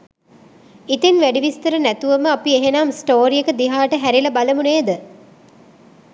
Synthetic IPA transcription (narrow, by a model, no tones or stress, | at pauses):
it̪enʋæɖiʋist̪əɾənæt̪uʋəməapieɦenaːmsʈoːɾiekəd̪iɦaːʈəɦæɾilɐbaləmuneːd̪ə